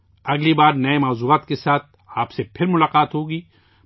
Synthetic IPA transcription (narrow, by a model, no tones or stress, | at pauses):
ɐɡlibaːɾnɐemaːzuaːt̪kesaːt̪̚ʰ | aːpsepʰɪɾmʊlaːqaːt̪ɦoːɡiː